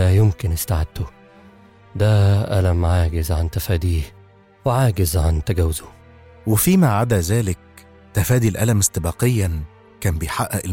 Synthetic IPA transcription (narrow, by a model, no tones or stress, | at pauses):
æjɪmkɪnʔɪst̪aʕad̪̥ːʊ | d̪æʔælæmʕaːɡɪzʕant̪æfæːd̪iːh | weʕaːɡɪzʕant̪æɡæwzʊ | wɪfiːmæʕad̪æzæːlɪk̚ | t̪æfæːd̪ilʔælæmɪst̪ebɑːqejːæn | kæːnbejħaʔːæʔɪl